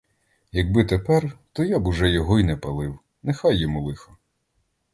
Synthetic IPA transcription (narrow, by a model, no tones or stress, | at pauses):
jɐɡ̚bɪt̪epɛrt̪ɔjabuʒɛjɔɦɔinɛpɐlˠɪw | nexajːɔmulˠɪxɔ̥